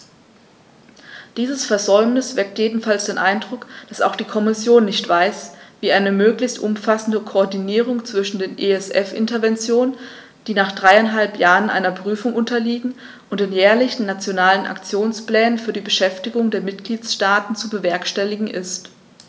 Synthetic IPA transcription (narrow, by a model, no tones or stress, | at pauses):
d̥iːzəsfɛɐzɔʏmnɪsv̥ɛk̚tjeːdn̩falsd̥eːnʔaɪndʁʊkd̥asa̰ʊxd̥iːkʰɔmɪsjoːnːɪçtv̥aɪsviːʔaɪnəmøːklɪçtʔʊmfasn̩dəkʰoːɐdiniːʁ̞ʊŋt͡sv̥ɪʃn̩deːnʔeɛsʔɛfʔɪ̰ntɐvɛnt͡sjoːnən | d̥iːnaːχd̥ʁaɪaɪnɦalpjaːʁənʔa̰ɪnɐpʁ̥yːfʊŋʔʊntɐliːɡŋ̩ | ʔʊntdɪnjɛːɐlɪçn̩ːat͡sjonaːlənʔa̰kt͡sjoːnsplɛːnənfyːɐdiːbəʃɛftɪɡʊŋdeːɐmɪtɡ̥liːtʃtaːtn̩t͡subəvɛɐkʃtɛlɪɡŋ̩ʔɪst